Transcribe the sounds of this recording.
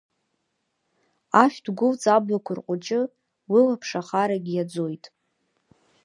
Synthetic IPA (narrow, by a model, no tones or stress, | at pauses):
aʃᶣd̥ɡʷʊlt͡sʼablakʷʰʊrqʷʼʊt͡ʃʼɪ | wilapʰʂaχaɾaɡʲijad͡zo̞jtʼ